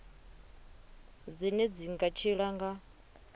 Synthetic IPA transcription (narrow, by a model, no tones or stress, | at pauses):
d͡zinɛd͡ziŋɡat͡ʃʰiɺaŋɡa